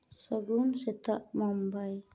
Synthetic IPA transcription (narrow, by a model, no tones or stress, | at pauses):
səɡunsɛt̪aʔmɔmbaj